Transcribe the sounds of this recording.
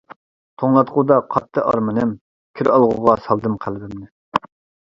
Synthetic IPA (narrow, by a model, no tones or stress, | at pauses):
t̪ʰoŋlˠɑt̪qʊd̪ɑqʰɑt̪ʰːɨʔɑ̰ɾmɨnɨm | kʲʰiɾɑlˠʁʊʁɑsɑlˠd̪ɨmqʰælbɪmnɪ